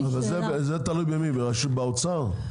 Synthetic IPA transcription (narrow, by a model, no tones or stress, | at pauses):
avalzebezet̪alujbemibeʁaʃut̪̚baot͡saʁ